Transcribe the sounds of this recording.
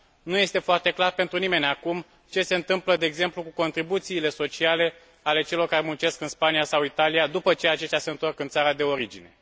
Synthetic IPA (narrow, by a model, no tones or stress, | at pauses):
nuje̞st̪e̞foart̪e̞klarpe̞nt̪ɾunime̞nʲakum | t͡ʃe̞se̞ɨnt̪ɨmpləd̪e̞ːɡze̞mplukuko̞nt̪ɾibut̪siːle̞so̞t͡ʃiale̞ | ale̞t͡ʃe̞lo̞rkaɾemunt͡ʃe̞skɨnspanijasawit̪alijad̪upət͡ʃe̞at͡ʃe̞st̪ʲjase̞ɨnt̪o̞rkɨnt̪saɾad̪e̞o̞ɾid͡ʒine̞̰